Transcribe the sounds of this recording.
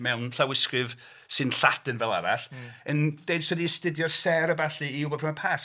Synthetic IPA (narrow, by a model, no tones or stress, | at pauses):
mɛwnɬawɪskrɨv | sɨnɬatənvɛlˠa̰ɾa̰ɬənd̥ejd̥swɛdistɪdjɔsɛɾəbaɬiiʊbɔpʰɪmapʰaːs